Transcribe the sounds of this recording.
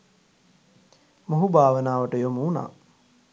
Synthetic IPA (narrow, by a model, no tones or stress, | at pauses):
moɦubaːʋənaːʋəʈəjomuna̰ː